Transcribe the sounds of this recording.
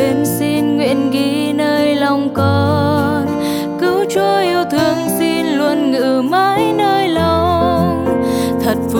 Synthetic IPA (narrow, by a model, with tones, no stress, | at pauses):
e˨˦nsi˧nŋwḭ˧˨ənɣi˨˦ | nəː˧jlɔ˧wŋ͡mkɔ˧ | n | kɨ˨˦wt͡ɕɔ˧ʔi˧əwt̪ʰɨ˨˩əŋsi˧nlwə˧˩nŋɨ̰˧˩ma˧˥jnəː˧jla˧w | t̪ʰə˨˩t̚v